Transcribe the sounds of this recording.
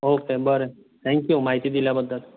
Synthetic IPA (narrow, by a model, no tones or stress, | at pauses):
oːkebəɾe | t̪ʰɛ̃ŋkjumaɦit̪id̪iljabəd̪ːət̪